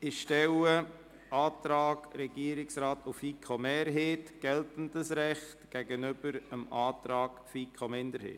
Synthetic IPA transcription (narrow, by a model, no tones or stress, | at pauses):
ɪʃtɛwə | ʔɑːt̪ɾɑːɡɾɛɡiəɾɪksɾɑːtʰufikʰomɛːɾɦeːtɡ̥ɛltən̩dəsɾɛχtɡ̥ɛɡənʏb̥əɾəmɑːtɾɑːɡfikʰomɪnd̪əɾhḛːt